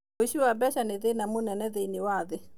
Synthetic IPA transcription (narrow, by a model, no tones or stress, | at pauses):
woʃuabɛʃanɪðenamunɛnɛðenɪwaðɪ